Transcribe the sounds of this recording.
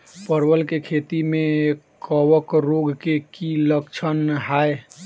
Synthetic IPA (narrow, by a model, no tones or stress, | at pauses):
pəɾʋəlkekʰet̪ime | kəwəkɾoɡkekiləkt͡ʃʰənɦae